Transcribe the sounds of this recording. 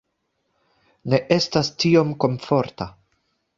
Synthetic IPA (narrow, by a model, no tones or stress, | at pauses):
ne̞ʔe̞stastio̞mko̞nfo̞ɾta